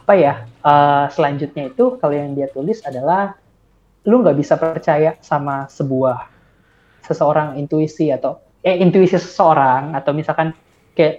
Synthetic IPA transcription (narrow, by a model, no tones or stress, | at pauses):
apajaəːsəlaɲd͡ʒʊt̪̚ɲait̪ukalojaŋdiat̪ulɪsadalah | luŋɡaʔbisapərt͡ʃajasamasəbuah | səsəoɾaŋint̪uisiat̪aw | jaint̪uisisə̥səoɾaŋat̪awmisalkan | kajaʔ